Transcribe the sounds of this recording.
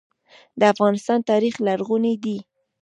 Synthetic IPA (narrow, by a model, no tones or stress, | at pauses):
d̪əafɣɑnɪst̪ɑnt̪ɑɾixlaɾɣuned̪i